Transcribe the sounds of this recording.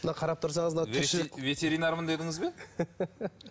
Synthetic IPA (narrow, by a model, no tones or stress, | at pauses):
mənɑqʰɑɾɑp̚t̪ʰʊɾsɑɴəzmt̪ʏʃɪlɪve̞t̪e̞ɾinaɾmənd̪ed̪ɪŋəzbe